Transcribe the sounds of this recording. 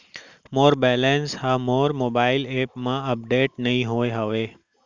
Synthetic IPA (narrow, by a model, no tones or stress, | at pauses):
moːɾbɛlənshamoɾmobailepmãəp̚ɖeʈnəɦĩɦojɦəʋe